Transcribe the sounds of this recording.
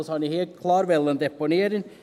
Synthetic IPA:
shɑnɪheːlt̪̚kʰlɑːɾʋɛlːənd̪ɛpʊneːɾɪŋ

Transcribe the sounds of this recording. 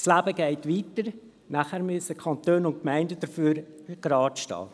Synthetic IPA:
slæːbəɡɛɪtʋiːtəɾ | næχæːɾmʏsəkʰɑntøːnʊntkmɛɪndəd̥əɾfyːɾ | ɡ̥ɾɑːtʃtɑ̰ː

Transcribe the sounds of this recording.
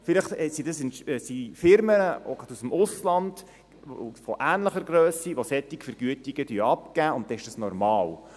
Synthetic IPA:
fɪləχɛsidɑsɪnsifɪɾməəʔɔ̰ɡɑd̥usəm̩ʊslɑnd̥ | o̰fɔʔæːnləχəɾɡɾøːsiʋosɛt̪ːɪkfəɾɡ̥yətiɡ̥əd̥yəɑpkæːʊntt̪ɛɪʃd̥ɑsnɔɾmɑːl

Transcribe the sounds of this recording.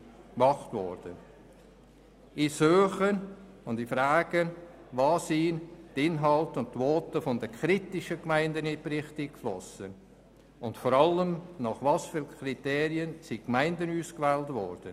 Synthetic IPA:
kmɑχtvɔ̰ɾd̥ən | isøːχən | ʊnd̥ifraːɡ̥ən | vɑːsiːntɪnɦɑltʊnttvɔːtəfɔndəkʰɾitɪʃəkmaɪndəniprɪχtikflɔsən | ʊntfɔɾɑləmnɑχvɑsfyːlkχriteːɾiənsikmaɪndənuːskvɛːltvɔ̰ɾd̥ən

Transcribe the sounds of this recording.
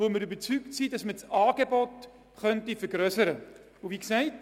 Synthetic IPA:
oməɾybət͡syktsid̥ɑsmət͡sɑːɡ̥ebɔt | χœntifəɾɡ̥ɾœsəɾə | ʊviːksɛɪt

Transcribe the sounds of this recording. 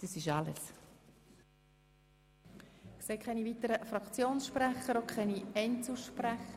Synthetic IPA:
d̥əsɪʃɑləs | kseːkʰɛniviːt̪əɾəfɾɑkt͡sjoːnsʃpræχəɾokʰχɛniɛnt͡suʃpræχə

